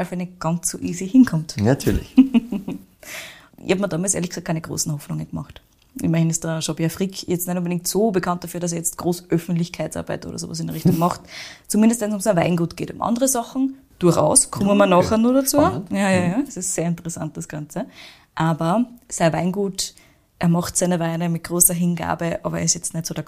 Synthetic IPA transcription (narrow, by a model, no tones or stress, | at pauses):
lfɛnəɡ̥ɑnt͡sːoːʔiːzihɪnkʰɔmtnatʰyɐlɪç | ʔɪ̰çhɑpmɐdaːmalsʔeɐlɪç̥ksak̚kʰːæɪnəɡʁo̰ːsn̩hɔfnʊŋənɡəmɑ̰χt | ʔɪmɐhɪnɪst̚d̥ɐʃɔbjafʁikʰjɛt͡stnɛtʊnbədɪŋk̚tsoːbəkʰant̚d̥afyːɐɾas̬ɛɐjɛt͡stɡ̥ʁoːsʔœfn̩tlɪçkʰaɪtt͡sʔa̰ɐba̰ɪtʔo̰ːdɐ̰so̰ːvɐ̰s̬ɪndiʁɪçtʊŋmɑχtt͡sumɪ̃ndəstvɛnsʊmsanva̰ɪnɡuːtɡ̥ḛːtʊ̰mʔɑ̰ndəʁəzɑχn̩ | d̥uɐçʔa̰ʊskʰʊməmɐnɑːχənuːɐdat͡suːjajajaːd̥ɐsɪstseːɐɪntəʁɛsa̰nt̚d̥ɐsɡ̥ɑnt͡sə | ʔaːbɐsaɪvɪnɡuːt | ʔeːɐmɑχtsæɪnəvaɪnəmɪt̚ɡ̥ʁoːsɐɦɪnɡa̰ːbəʔɑːbɐḛːɐɪsjɛt͡stnɛtsoːdɐ